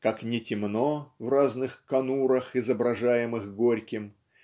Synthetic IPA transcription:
kaknʲɪtʲɪmnovraznɨxkɐnuɾəxɪzəbɾɐʐajɪmɨxɡoɾʲkʲɪm

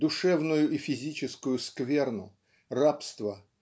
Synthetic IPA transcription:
d̪ʊʂɛvnʊjʊʔifʲɪzʲit͡ɕɪskʊjʊskvʲe̞rnʊ | rapst̪və

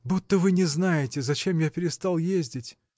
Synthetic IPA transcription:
but̪ːəvɨnʲɪznajɪtʲɪzɐt͡ɕe̞mjapʲɪɾʲɪst̪alˠjezʲdʲɪtʲ

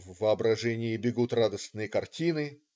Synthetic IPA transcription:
vːɨɐbɾɐʐɛnʲɪɪbʲɪɡut̪rad̪əsnɨjəkɐrtʲinɨ

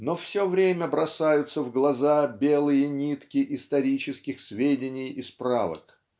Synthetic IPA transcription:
nofsʲovɾʲemʲəbɾɐsajʊt̪səvɡlˠɐzabʲelˠɨjənʲit̪kʲɪʔɪst̪ɐɾʲit͡ɕɪskʲɪxsvʲedʲɪnʲɪjɪspɾa̰və̰k

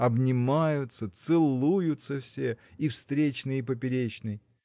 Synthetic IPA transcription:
ɐbnʲɪmajʊt̪sət̪sɨlˠujʊt̪səfsʲeifst̪ɾʲet͡ɕnɨjəp̬əp̬ʲɪɾʲet͡ɕnɨj

